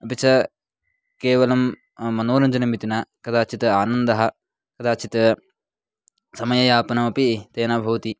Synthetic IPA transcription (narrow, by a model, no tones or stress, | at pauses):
ɐpit͡ʃʰɐ | keːʋɐlɐmː | ɐnoːɾɐɲd͡ʒɐnɐmit̪inakɐd̪aːt͡ʃʰit̪ɐaːnɐnd̪ɐɦɐ̆ | kɐd̪aːt͡ʃʰit̪ɐ | sɐmɐjɐjaːpɐnɐmɐpit̪eːnaːbʱɐʋɐt̪i